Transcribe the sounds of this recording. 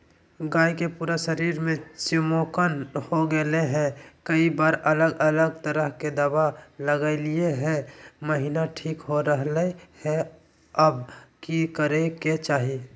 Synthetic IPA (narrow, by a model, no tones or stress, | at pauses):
ɡaːikepuːɾaʃəɾiːɾmẽsimokənhoɡeleɦɛ̃kəibaːɾələɡələɡt̪əɾəɦked̪əbaləɡəɪlieɦɛ̃məɦinaʈʰiːkɦoɾəɦlehɛ̃ | əbkikəɾeket͡ʃaːɦi